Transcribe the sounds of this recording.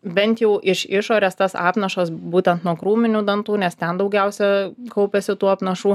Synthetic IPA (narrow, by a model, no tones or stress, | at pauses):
bʲɛnʲt̪jɛʊʔɪʃɪʃoːɾʲɛst̪ɐsɑ̰ːpnɐʃɐsbuːt̪ʲɛnt̪nuɔkɾuːmʲɪnʲʊd̪ɐnt̪uːnʲɛst̪ʲɛnd̪ɐʊɡʲɛʊsʲɛkɐʊpʲɛsʲɪt̪uːɐpnɐʃuː